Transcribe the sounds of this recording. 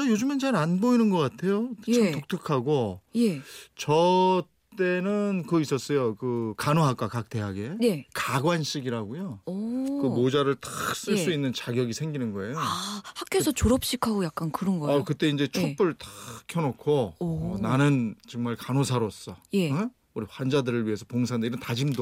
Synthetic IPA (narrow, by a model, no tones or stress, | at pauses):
ajod͡ʑɯment͡ɕaɾanboinɯnɡʌk͈atʰe̞jokɯtok̚tʰɯkʰaɡojet͡ɕʌ | t͈e̞nɯnkɯis͈ʌs͈ʌjokɯkanoɦak͈wakak̚t͈e̞ɦaɡe̞nekaɡwanɕ͈iɡiɾaɡojokɯmod͡ʑaɾɯɭtḁs͈ɯɭs͈uinːɯnt͡ɕaɡjʌɡisʰe̞ŋɡinɯnɡʌe̞johak͈esʰʌt͡ɕoɾʌp̚ɕ͈ikʰaɡojak̚k͈ankɯɾʌnɡʌʌkɯt͈e̞ind͡ʑe̞t͡ɕʰop͈ɯɭtḁkʰjʌnokʰonanɯnt͡ɕɯŋmaɭkanosʰaɾos͈ʌje | uɾiɸwand͡ʑadɯɾɯɭɥiɦesʰʌpoŋsʰandeiɾʌntad͡ʑimdo